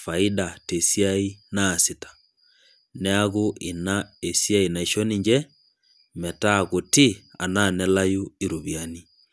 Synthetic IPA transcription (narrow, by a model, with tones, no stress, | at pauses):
fa˨i˦da˨te˨si˦a˦i˦naː˦˨sɪ˨tḁ˨ | nɛ˦a˦ɣo˦ʔɪ˨na˦e˨sja˦i˨na˨i˨ʃɔ˦ni˨ɲd͡ʒɛ˦ | mɛ˨ta˦˨ɣo˨tɪ˦a̰˨na˦˨nɛ˦la˦ju˦i˨ɾu˨βi˨a˨ni˦